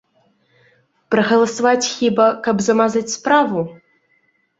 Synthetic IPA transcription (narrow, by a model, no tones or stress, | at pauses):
pɾɐɣɐlˠɐsɐvat͡sʲxʲibɐkɐbzɐmazat͡sʲspɾavu